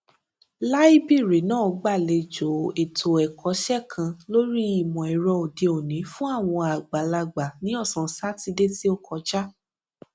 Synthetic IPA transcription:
la˦i˦bi˦˨ɾi˨˦nãː˦˨ɡ͡ba˦˨le˧d͡ʒo˨e˨tʰo˨ɛ˨kʰɔ˨˦ʃɛ˦˨kʰã˧lo˦ɾi˦i˦˨mɔ̃˨ɛ˨ɾɔ˧o˨de˨˧o˨nĩ˨˦fũ˦a˦˨w̃ɔ̃˧a˨ɡ͡ba˨la˧ɡ͡ba˨nĩ˨˦ɔ˦˨sɔ̃˨sa˦ti˧de˦ti˦o˦kʰɔ˧d͡ʒa˦

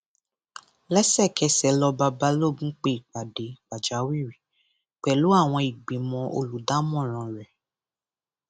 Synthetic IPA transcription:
lɛ˦sɛ˦˨kɛ˧˦sɛ˨˦lɔ˧ba˧ba˦lo˦˨bũ˦k͡pe˧˦i˨k͡pa˨de˨k͡pa˨d͡ʒa˨˦wi˦˨ɾi˨ | k͡pɛ˨lu˨˦a˦˨w̃ɔ̃˧i˨ɡ͡bĩ˨mɔ̃˧ʔo̰˧lu˨da˦mɔ̃˦˨ɾ̃ã˨ɾɛ˨

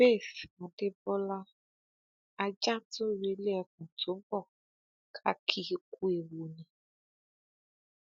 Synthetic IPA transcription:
be˦˨θɔ˨de˦bɔ˦la˦ | a˨d͡ʒã˦tʊ˦we˨˦le˦ɛ˨k̚ũ˨tʰo˨˦bɔ˦˨ | kʰa˦kʰi˦ku˦e˨wo˨nɛ̃˨

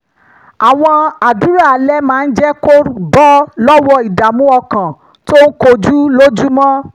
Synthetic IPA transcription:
a˨w̃ɔ̃˧a˨du˨˦ɾa˦˨lɛ˦mãː˦˧n̩˦d͡ʒɛ˦ko˦bɔ˦lɔ˦wɔ˦i˨da˨mũ˨˦ɔ˧kã˨ | to˦n̩˦ko˧d͡ʒu˦lo˦d͡ʒu˦mɔ̃˦

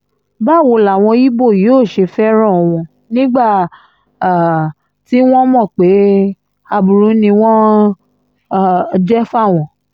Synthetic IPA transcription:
ba˦˨wo˧la˨w̃ɔ̃˧ji˦bo˦˨ji˨˦o˦˨ʃe˧fɛ˦ɾ̃ɔ̃˦˨ɔ˧w̃ɔ̃˧ | nĩ˦ɡ͡ba˦˨ | ti˨˦w̃ɔ̃˦mɔ̃˦˨k͡pe˨˦ | a˧bu˨ɾũ˨˦nĩ˧w̃ɔ̃˦˨ | d͡ʒɛ˦fa˦˨w̃ɔ̃˨

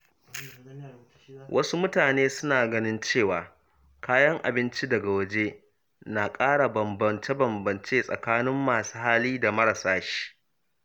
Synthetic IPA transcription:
wʔɐ˦su˦mʊ˦taː˨neː˦sʊ˦naː˨ɡɐ˦nɪ˦nt͡ʃeː˦˨waː˨ | kaː˦jɐ˦ŋʔa̰˨bɪ˦nt͡ʃi˦dɐ˨ɡa˨wɐ˦d͡ʒe˦ | na˨kʼaː˦ɽa˨bɐ˨mbɐ˨nt͡ʃe˦bɐ˨mbɐ˨nt͡ʃeː˦sʼɐ̰˨kaː˦nɪ˦mːaː˨su̥ː˦haː˦liː˦da˨mɐ˦ɽa˨saː˦ʃi̥˦ʔ

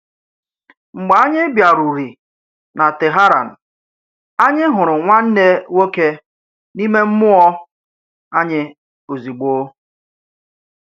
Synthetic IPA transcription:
ŋ͡m̩˨ɡ͡ba˨a˦ɲɪ˦bja˨ɾu˨ɾi˨ | na˨tɪ˨ɦa˦ɾa̰˨n̩˨ | a˦ɲɪ˦ɦʊ˨ɾʊ˨ŋʷa˦n̩˦ne˦wo˦ke˦ | ni˦me˦m̩˦mʊ˦ɔ˦ | a˦ɲɪ˦ | o˨zi˨ɡ͡bo˦

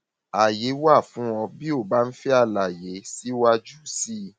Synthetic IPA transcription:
a˨je˨˦wa˦˨fũ˨˦w̃ɔ̃˧bi˦o˦˨ba˨˦n̩˦fi˦a˦˧la˨je˨˦si˦wa˧d͡ʒu˦si˦

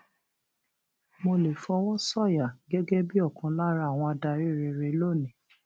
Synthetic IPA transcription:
mo˧le˨fɔ˧w̃ɔ̃˦sɔ˦˨ja˨ɡɛ˦ɡɛ˦bi˦ɔ˦˨kã˧la˦ɾa˦˨w̃ɔ̃˧a˧da˧˨ɾe˦˨ɾe˧˨ɾe˧˦lo˦˨nĩ˨

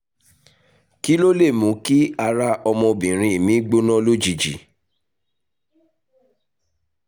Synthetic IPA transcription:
ki˦lo˦le˦˨mũ˨˦ki˦a˧ɾa˧ɔ˧mɔ̃˧bĩ˨ɾ̃ĩ˧˨mĩ˨˦ɡ͡bo˦nɔ̃˦lo˦d͡ʒi˨d͡ʒḭ˨˦

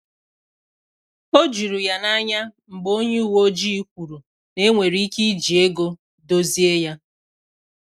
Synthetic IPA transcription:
o˦d͡ʒu˨ɾu˨ja˨na˦ɲa˦ŋ͡m̩˨ɡ͡bo˦ɲe˦u˦˨wo˦d͡ʒi˦kʷu˨ɾu˨ | ne˦ŋʷe˨ɾi˨˦i˦ki˦d͡ʒi˨e˦ɡo˦ | do˦zi˦e˦ja˦

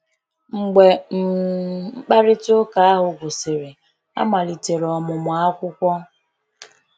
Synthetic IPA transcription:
ŋ͡m̩˨ɡ͡be˨m̩˨˦ | k͡pa˦ɾɪ˦to˦ka˨a˦ɦʊ˨ɡʷʊ˨sɪ˨ɾɪ˨ | a̰˦ma˨li˨te˨ɾɔ˨mʊ˨mʊ˨a˦kʷʊ˦kʷɔ˦

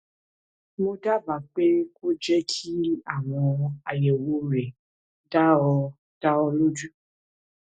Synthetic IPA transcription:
mõ˧da˦va˨k͡pe˦ko˦d͡ʒɛ˦kʰi˦a˦˨w̃ɔ̃˧a˨jɛ˨wo˧ɾɛ˨ | da˦ɔ˧ | d̥a˦ɔ˧lo˦d͡ʒu˦

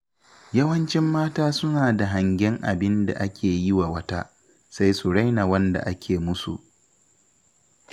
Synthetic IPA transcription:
jɐ˦wɐ˦nt͡ʃɪ˦mːaː˦taː˦sʊ˦naː˨da˨ɦa˨ŋɡʲɪ˦ŋʔa˨bɪ˦nda̰˨ʔa˦kʲʰeː˨ji˦wa˨wɐ˦ta̰ː˦ | sa˦jsu˨ɽa˦jna˨wɐ˦nda̰˨ʔa˦kʲʰeː˨mʊ˦sṵ˨ʔ

